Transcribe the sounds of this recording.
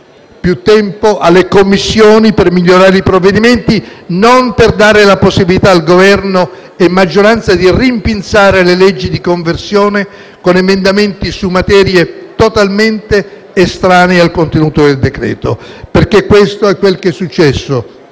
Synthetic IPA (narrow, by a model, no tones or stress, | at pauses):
pjut̪ːɛmpoʔalːekomːisːjoːnipermiʎːoɾaːɾeipɾovːed̪iment̪inomperd̪aːɾelaposːibilit̪aːlɡovɛrno | ɛmːad͡ʒːoɾant̪sad̪irimpint̪saːɾelelɛd͡ʒːid̪ikoɱversjoːne | konemend̪ament̪isumːat̪ɛːɾjet̪ot̪alment̪eː | st̪ɾaːnealkont̪enuːt̪od̪eld̪ekɾɛ̰ːt̪operk̟ekːwest̪oɛkːwelk̟ɛsːut͡ʃːɛsːo